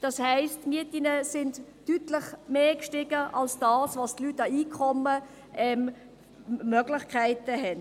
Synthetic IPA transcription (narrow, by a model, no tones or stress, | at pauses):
d̥ɑshæɪstmiətinəsɪndː | ytlɪχmeːkʃtɪɡ̥əʔɑlsd̥ɑːsvɑstlytɑiːkʰɔmə | ʔɛm | mœɡlɪχkʰæɪtəɦɛn